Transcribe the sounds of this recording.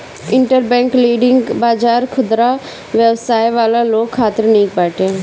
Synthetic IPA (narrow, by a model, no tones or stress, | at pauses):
ɪɳʈəɾbɛ̃ːŋkliːɖɪŋɡbaːd͡ʒaːɾkʰʊd̪ɾa | ʋjəʋsaːjʋaːlaloːkʰːaːt̪ɪɾnĩːk̚baːʈe